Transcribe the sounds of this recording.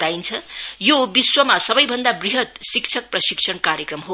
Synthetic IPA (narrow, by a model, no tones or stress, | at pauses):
t̪aint͡sʰʌjobiswʌmasʌbʌjbʱʌnd̪abriɦʌt̪̚sikt͡sʰʌk̚prʌsiksʰʌɳkaɾjekrʌmɦo